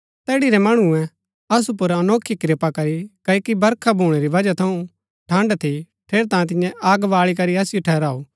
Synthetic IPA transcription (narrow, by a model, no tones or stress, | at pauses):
t̪ɛːɽiɾɛmɐɽ̃uɛ̃ | ɐs̬up̬ʊɾɐnoːkʰːikɾepakɐɾikɐːokibɐɾkʰabʱuːɽ̃ɛɾiʋɐd͡ʒat̪ʰɐũ | ʈʰɐ̃ːɳɖt̪ʰi | ʈʰeːɾt̪ãːẽt̪̬ɪjɛ̃ʔaːɡʋaːɭikɐɾiɐsɪjoʈʰɛːɾaːoː